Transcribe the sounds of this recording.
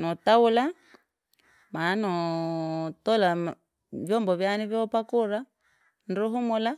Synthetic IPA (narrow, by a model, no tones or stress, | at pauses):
nɔtaula | manɔ | tɔla | vjɔmbɔβjaniβjɔpakuɾa | nɾuɦumula